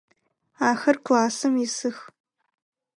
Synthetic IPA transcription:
aːxɐrkʷʰlaːsɨmisɨx

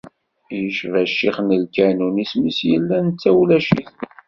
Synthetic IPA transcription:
jəʃvæʃːiχnəlkænunismisjəlːænt͡sːæwlæʃiθ

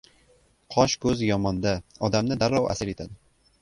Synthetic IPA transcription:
qʰɒʃkɵzjɒmɒnd̪aɒd̪amnɪd̪aɾːɒwʔa̰sɪɾet̪ʰad̪ɪ

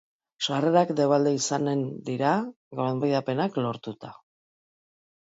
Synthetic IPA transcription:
ʃare̞ɾakd̪e̞β̞ald̪eisane̞nd̪iɾa | ɡoɾambajðape̞naklo̞ɾt̪ut̪a

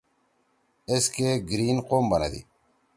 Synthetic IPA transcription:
eskeɡɾiːnqombɐnɐ̰d̪ḭ

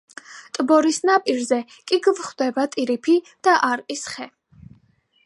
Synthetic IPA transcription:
t̪ʼbɔɾisnapʼiɾzɛ | kʼiɡvχd̪ɛbat̪ʼiɾipʰi | d̪̥aʔaɾqʼisχɛ

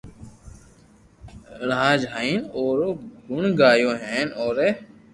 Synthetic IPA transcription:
ɾãːd͡ʒɦaːiːnoːɾoːɡʊɳɡaːjõːɦeːnoːɾeː

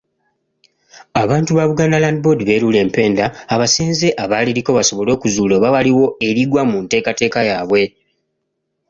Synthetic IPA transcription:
aβaːntuβaβuɡaːnalandibo̞diβe̞ːɾule̞ːmpe̞ːndaːβaseːnze̞ʔaβaːliɾiko̞βaso̞βo̞lo̞ːkuzuːloβaβaliwo̞e̞ɾiɡwamunte̞ːkate̞ːkajaːβwe̞

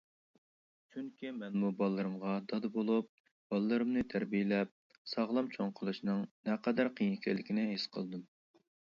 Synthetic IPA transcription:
t͡ʃʰyŋkʲimɛnmubɑlˠɨːɨɾɨmʁɑd̪ɑd̪ɨbolˠup̚ | b̥ɑlˠɨlˠɨɾɨmnɨt̪ʰæɾbijɪlɛp̚ | sɑʁlˠɑmt͡ʃʰoŋqʰəlˠuʃnɨŋnɛqəd̪æɾqʰijiŋkʲʰɛlːɪkʲinɪɦesqʰə̰lˠd̪ɨm

